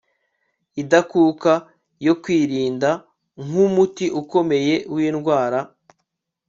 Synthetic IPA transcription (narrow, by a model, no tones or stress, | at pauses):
idakuːka | jo̞kwiːɾiːnda | ŋ̥umutiʔuko̞me̞je̞wiːnɡwaːɾa